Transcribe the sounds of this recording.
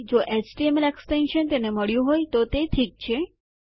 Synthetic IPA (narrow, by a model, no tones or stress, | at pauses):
d͡ʒoʔet͡ʃʈiemeleksʈenʃənt̪eneməɭjũɦojt̪ot̪eʈʰik̚t͡ʃʰe